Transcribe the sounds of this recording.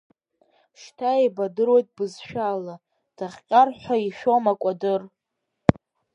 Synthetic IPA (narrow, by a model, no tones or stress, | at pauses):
ʃtʰaibadɨɾwo̞jtʼbɨzʃᶣala | d̥aχʲqʲʼarħʷᶣaiʃᶣomakʷʼadɨr